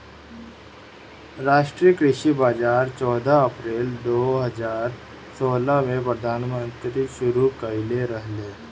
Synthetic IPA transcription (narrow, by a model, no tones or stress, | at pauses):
ɾaːʃʈɾijəkɾɪʃibaːd͡ʒaːɾt͡ʃɔːd̪ʱaɐpɾeːld̪oːɦəd͡ʒaːɾ | soːlamẽpɾəd̪ʱaːnmə̃nt̪ɾiʃʊɾukəɪleɾəɦlẽː